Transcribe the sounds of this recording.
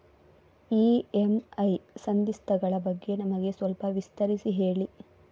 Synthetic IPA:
iːemɐjsɐnd̪ist̪ʰɐɡɐɭɐbɐɡːe̞nɐmɐɡe̞sʋɐlpɐʋist̪ɐɾisiɦe̞ːɭi

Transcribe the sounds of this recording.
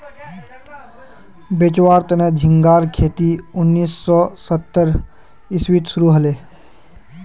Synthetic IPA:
bet͡ʃwaːɾt̪ned͡ʒʱɪ̃ŋɡaːɾkʰeːt̪iʊnːiːsːɔsət̪ːəɾ | ɪswit̪sʊɾuɦəleː

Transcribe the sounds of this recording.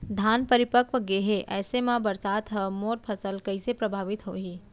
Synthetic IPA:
d̪ʱaːnpəɾɪpəkʋəɡeːɦeʔɛːsemãbəɾsaːt̪ɦəmoːɾpʰəsəlkɐisepɾəbʱaːʋɪt̪ɦoːɦiː

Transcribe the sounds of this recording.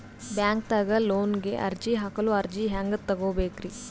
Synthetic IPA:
bjaːŋk̚t̪aːɡɐloːnɡeʔɐ̰ɾd͡ʒiɦɐkɐluɐɾd͡ʒiɦaːŋɡɐt̪ːɐɡoːbeːkɾi

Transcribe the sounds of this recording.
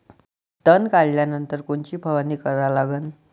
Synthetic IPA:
t̪ənkalljanənt̪əɾkoɳt͡ɕiːbʱəʋaniːkəɾalaɡən

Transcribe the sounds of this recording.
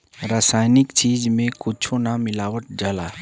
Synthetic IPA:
ɾaːsaːjnɪkt͡ʃiːd͡ʒmẽkʊt͡ʃʰonamɪlaːwəʈ̚d͡ʒalaː

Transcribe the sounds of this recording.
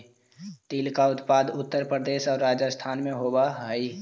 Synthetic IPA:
t̪iːlkaʊt̪paːd̪ʊt̪ːəɾpɾəd̪eːsɔːɾːad͡ʒəst̪ʰaːnmẽɦobaɦəi

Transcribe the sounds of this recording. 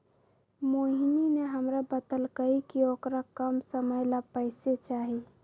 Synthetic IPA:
moɦinineɦəmɾabət̪əlkəikiokɾakəmsəməjlapəɪset͡ʃaɦi

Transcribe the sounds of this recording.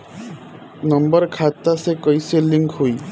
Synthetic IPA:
nɔmbɔɾkʰat̪asekɔjseliŋkɦuj

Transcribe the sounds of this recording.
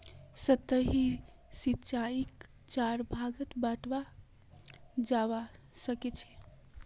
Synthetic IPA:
sət̪ːəɦi | sit̪t͡ʃaik | t͡ʃaɾbʱaɡət̪baʈʋa | d͡ʒaʋasəkɛt͡ʃʰɛ̥

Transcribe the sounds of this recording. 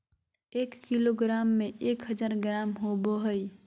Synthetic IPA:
eːkːiloɡɾaːmːẽʔeːkɦəd͡ʒaːɾɡɾaːmɦoboɦəi

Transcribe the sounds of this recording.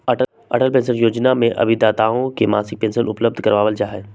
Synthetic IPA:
ɐ̰ʈəlpẽːsəɾjoːd͡ʒnamẽʔɐ̰bʱid̪aːt̪aõkema̰ːsɪk̚pẽnsənʔʊ̰pləb̚d̪ʱkɐɾʋaːʋəld͡ʒaːɦeː

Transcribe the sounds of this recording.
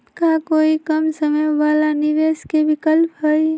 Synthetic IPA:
kakoːikəmsəməjʋaːlanɪdeːskebɪkəlpɦəj

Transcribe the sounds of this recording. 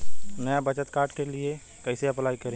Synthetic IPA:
nɐjabɐt͡ʃət̪kaːɾʈkelie | kɛɪseɐplaːikɐɾẽː

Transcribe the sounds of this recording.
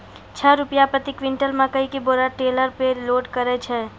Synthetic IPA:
t͡ʃʰəɾʊpjapɾət̪ikʋɪ̃ɳʈəlmakəikiboːɾaʈeːləɾpeloːʈkəɾet͡ʃʰeː

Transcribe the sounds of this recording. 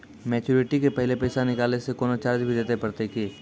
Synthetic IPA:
mɛːt͡ʃuːɾɪʈikepɛɦlepɛːsanɪkaːlnesekɔːnot͡ʃaːɾd͡ʒbʱid̪eːt̪epɐɾt̪ekeː

